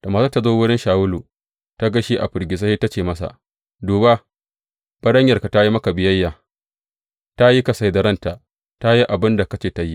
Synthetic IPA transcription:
ta˨maː˨sa˦ta˦zoː˦wʊ˦ɾɛ˦nʃaː˨wʊ˦luː˨ | ta˦ɡa˦ʃi˦ʔa̰˨ɸɪ˨ɾɡʲɪ˨s̬ɐ˦hi˦ta˦t͡ʃeː˨mɐ˦sa̰˨ | duː˨ba˦ | b̥ɐ˦ɽɐ˦ɲjɐ˨rka˨ta˦ji˦mɐ˦ka˨bɪ˨jɐ˦jːaː˨ | ta˦ji˦kɐ˨sa˨jdɐ˨ɾɐ˦nta˨ʔ | ta˦ji˦ʔa˨bɪ˦nda˨kɐ˦t͡ʃeː˨ta˨ji˦

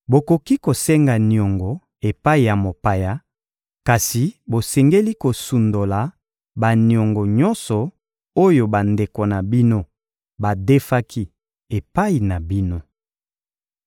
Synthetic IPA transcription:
bo˨ko˨ki˦ko˨sɛ˦ŋɡa˨ni˨ɔ˨ŋɡɔ˨ | e˨pa˦i˨ja˨mo˨pa˨ja˦ | ka˨si˨bo˨sɛ˨ŋɡe˦li˦ko˨su˨ndo˨la˨ | ba˨ni˨ɔ˨ŋɡo˨ɲɔ˦nsɔ˨ | o˦jo˨ba˨nde˨ko˨na˨bi˦no˦ | ba˨de˦fa˦kʰi˦ | e˨pa˦i˨na˨bi˦no˦

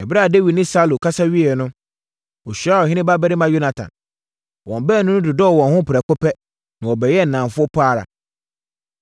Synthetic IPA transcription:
ɛ˨bɪ˦ɾa˦˨de˦wi˨dnɪ̃˦sa˦lo˨kʰa˦sa˦ɥi˦ɛ˨nʊ̃˦ | ɔ˨ɕᶣa˦ɔ˨hɪ̃˦nɪ̃˦ba˦bɛ˦ɾɪ˦mã˨jo˦na˨tʰã̰˨n | wɔ̃˨m˨bɛː˦˨nʊ̃˦nʊ̃˦dʊ˨dɔ˦˨wɔ̃˨nhʊ̃˦pʰɪ˨ɾɛ˨kʊ˦pɛ˦ | nã˨wɔ˨bɛ˨jɛ˦˨n̩˨nã˨fʊ˦ɔ˦pʰaː˦˨ɾa̰˨

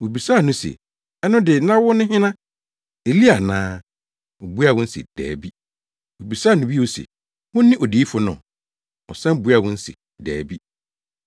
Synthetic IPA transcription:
wo˨bi˨sa˦˨nʊ̃˦sḛ˨ | ɛ˦nʊ̃˦dɪ˨nã˦wʊ˦nʊ̃˦ɦɪ̃˦nã˦ | e˨li˦a˨nãː˦ | ɔ˨bu˦a˨wʊ̃˦n̩˦sɪ̰˨d̥ɛ̰ː˨bi˦ | wo˨bi˨saː˦˨nʊ̃˦bi˦wo˦sḛ˨ | hʊ̃˦nːɪ̃˦ʔɔ˨diː˨˦fʊ˨nʊ̰̃˨ | ɔ̰˨sɛ̃˦bu˨˦a˨wʊ̃˦n̩˦sɪ̰˨ | dɛ̰ː˨bi˦

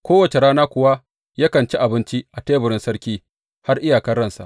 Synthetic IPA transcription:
kʷoː˦wɐ˨t͡ʃe˨ɾaː˦naː˦kʷʊ˨wa˦ | jaː˦kɐ˨nt͡ʃi˦ʔa˨bɪ˦nt͡ʃi˦ʔa˨teː˦bʊ˨ɽɪ˦nsɐ˦ɾkʲiː˦ | ha˦rʔɪ˦jaː˨kɐ˦rːɐ˦˨nsa̰˨ʔ

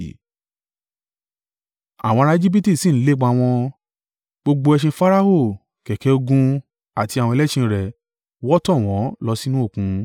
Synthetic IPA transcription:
a̰˨w̃ɔ̃˧ɾã˧e˧d͡ʒi˦p̬i˦ti˦˨si˦˨n̩˦le˦ɡ͡ba˧˨w̃ɔ̃˧ | ɡ͡bo˧ɡ͡bo˧ɛ˧ʃ̬ĩ˧fa˦ɾa˦ɦo˦˨ | kɛ˨kɛ˨˧o˧ɡũ˧ | a˨ti˧a˨wɔ̃˧lɛ˦ʃĩ˧ɾɛ˨ | wɔ˦tɔ̃˦˨w̃ɔ̃˨˦lɔ˧si˦nũ˦o˦˨kũ˧˦

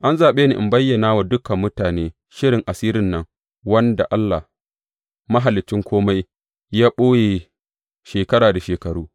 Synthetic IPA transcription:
ʔa˦nzaː˨ɓeː˦nḭ˨ʔɪ˨mbɐ˦jːɐ˨naː˦wa˨dʊ˦kɐ˨mːʊ˦taː˨neː˦ | ʃɪ˦ɽɪ˨ŋʔa˨siː˦ɾɪ˦nːɐ˦ŋ | wɐ˦nda̰˨ʔa˦lːa˨ | mɐ˦ɦa˨lɪ˨t͡ʃːɪ˦ŋkʷoː˦ma˦j | jaː˦ɓoː˦jeː˨ | ʃeː˨kɐ˦ɽaː˨da˨ʃeː˨kɐ˨ɽuː˦

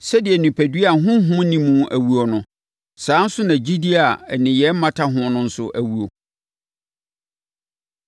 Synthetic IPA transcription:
sɛ˦dɪ˨ɛ˨nĩ˨pʰæ˨dɥa˨ɦʊ̃˦ɦʊ̃˦nĩ˦mũ˦ʔæ˨wu˦o˨nʊ̃˨ | sãː˨˦n̩˦sʊ˦nã˨d͡ʑi˦di˦a˨nɪ̃˨jɛ˨˦m̩˦mã˦tʰa˦ɦʊ̃˦nʊ̃˦n̩˦sʊ̰˦ʔæ˨wu˦o˨

